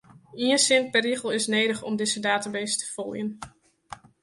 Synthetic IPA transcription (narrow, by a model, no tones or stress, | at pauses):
iənsɪnt̚pɛriχəlˠɪsnejdəχɔ̰mdɪzədaːtabejstʰə̥fɔ̰lˠjən